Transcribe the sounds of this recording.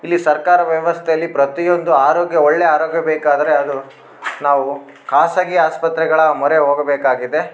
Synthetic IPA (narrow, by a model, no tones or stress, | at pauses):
ilːisɐɾkaːɾɐʋjɐʋɐst̪ʰejɐlːipɾɐt̪ijond̪uaːɾoːɡjɐoɭːeaːɾoːɡjɐbeːkaːd̪ɐɾe̞ɐd̪u | naːʋu | kʰaːsɐɡiaːspɐt̪ɾɛɡɐɭɐmɔɾe̞ɦoːɡɐbeːkaːɡid̪e̞